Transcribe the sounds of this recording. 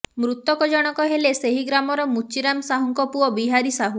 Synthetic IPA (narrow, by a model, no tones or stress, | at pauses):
mɾut̪ɔkɔd͡ʒɔɽ̃ɔkɔɦeleseɦiɡɾamɔɾɔmut͡ʃiɾamsaɦuŋkɔpuɔbiɦaɾisaɦu